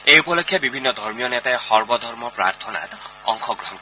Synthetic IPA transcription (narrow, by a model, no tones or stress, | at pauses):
eupɔlɔkʰːjabibʱinːɔd̪ʱɔɹmijɔnet̪ajxɔɹbɔd̪ʱɔɾmɔpɾa̰ɾt̪ʰɔna̰t̪ | ɔŋxʰɔɡɾɔɦɔnk